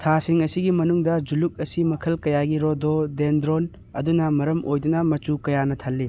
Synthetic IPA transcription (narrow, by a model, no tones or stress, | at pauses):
tʰasiŋɐsiɡimɐnuŋdɐd͡ʒuluk̚ɐsimɐkʰɐlkɐjaɡiɾododendɾon | ɐdunɐmɐɾɐmʔojdunɐmɐt͡ʃukɐjanɐt̪ʰɐlːi